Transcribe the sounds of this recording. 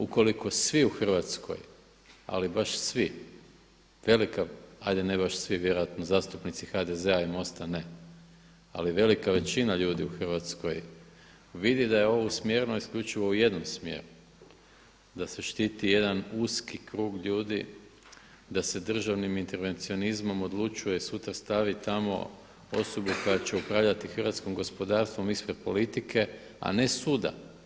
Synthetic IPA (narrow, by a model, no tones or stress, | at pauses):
uko̞liko̞sʋiuxr̩ʋat̪skʰo̞̰j | a̰libaʃsʋi | ʋe̞likaajd̪e̞nebaʃsʋiʋje̞ɾojat̪nozaːst̪upnit̪sixad̪e̞ze̞aimo̞st̪ane̞ | a̰liʋe̞likaʋe̞t͡ɕinaʎuːd̪iuxr̩ʋat̪sko̞̰j | ʋid̪id̪ajeo̞ʋosmje̞ɾnoiskʎʲut͡ʃiʋo̞uje̞d̪no̞msmje̞̰ːɾu | d̪aseʃt̪it̪ije̞d̪anuskikɾuːɡʎuːd̪i | d̪ase̞d̪r̩ʒaʋnimint̪e̞ɾʋe̞nt̪sio̞nizmo̞mo̞d̪lˠut͡ʃujeisut̪ɾast̪aʋit̪amo̞̰ | o̞̰so̞buko̞jat͡ɕe̞upɾaʋʎat̪ixərʋat̪skomɡo̞spo̞d̪aːɾst̪ʋo̞mispɾe̞d̪̥̚po̞lit̪ikʰe̞ | a̰ne̞suːd̪a̰